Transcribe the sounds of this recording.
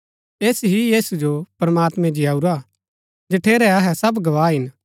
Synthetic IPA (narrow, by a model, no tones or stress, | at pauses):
eːsɦijiːsud͡ʒopɾɐmaːt̪mɛ̃d͡ʒijaːuɾa | d͡ʒɐʈʰeːɾɛɐɦɛsɐbɡɐʋaːɦɪn